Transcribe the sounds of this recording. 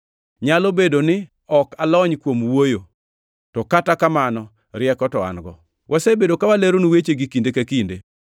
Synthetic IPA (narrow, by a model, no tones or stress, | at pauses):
ɲalobedonɪ | ɔkalɔɲkwomwojo | tɔkatakamanɔ | ɾɪɛkɔtɔa̰nɡɔ̰ | wʔasebedokawaleɾonwet͡ʃeɡikindekakinde